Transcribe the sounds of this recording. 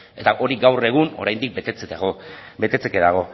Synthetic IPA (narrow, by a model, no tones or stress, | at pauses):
e̞t̪aʔo̞ɾiɡawre̞ɣ̞uno̞̰ɾajnd̪ik̚be̞t̪et͡set̪ɣobe̞t̪e̞t͡sekeðaɣ̞o̞